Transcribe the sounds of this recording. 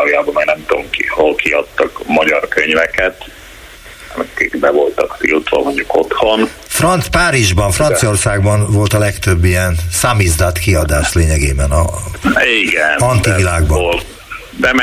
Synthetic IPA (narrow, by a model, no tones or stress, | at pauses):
jaːbomɛɡnɛmt̪omkiholkiɒt̪ːɒkmɒɟɒrkøɲvɛkɛt̪ | ɛ̰mɛikbɛvo̞lt̪ɒkt̪ḭlt̪ʋɒ̰moɲɟukot̪ho̞n | frɒnt̪spaːɾiʒbɒɱfrɒnt̪sio̞rsaːɡbɒnvo̞lt̪ɒlɛkt̪øbːijɛnsamizd̪ɒt̪kiɒd̪aːʃt̪leːɲɛɡeːbɛnɒ̰ | iɡɛnɒnt̪ivilaːɡ̚bɒnːl | d̪ɛm